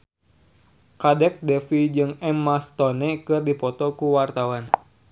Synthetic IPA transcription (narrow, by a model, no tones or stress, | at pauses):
kadɛk̚dɛfid͡ʒɨŋɛmːast̪ɔnɛkɨrdipɔt̪ɔkuwart̪awan